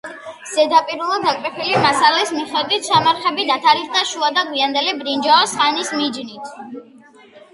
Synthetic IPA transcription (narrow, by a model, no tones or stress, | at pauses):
z̥ɛd̪apʼiɾulˠad̪akʼɾɛpʰilimasalɛsmiχɛd̪wit̪ʰsamaɾχɛbid̪at̪ʰaɾisd̪aʃuad̪aɡwiand̪ɛlɛbɾind͡ʒaɔsχanismid͡ʒnit̪ʰ